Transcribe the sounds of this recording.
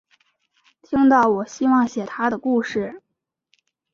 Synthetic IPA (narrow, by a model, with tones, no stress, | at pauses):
t̪ʰi˥ŋt̪ɑ˥˩ʊwɔ˨˩ɕi˥wɑ˥˩ŋɕjɛ˨˩t̪ʰa˥d̪ə˨ku˥˧ʂɻ̩˥˩